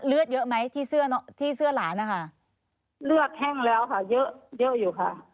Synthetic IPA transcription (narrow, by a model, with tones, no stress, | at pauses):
lɯ˦˥˩ət̪̚jɤ˦˥ʔma˦˥jt̪ʰiː˥˩sɯ˥˩ɐnɔ˦˥t̪ʰiː˥˩sɯ˥˩ɐlaː˩˦nʔa˧˩kʰa˥˩ʔ | lɯ˥˩ək̚hɛ˥˩ŋlɛː˦˥wkʰa˧˥˩jɤ˦˥ʔjɤ˦˥ʔjuː˨˩kʰa˧˥˩ʔ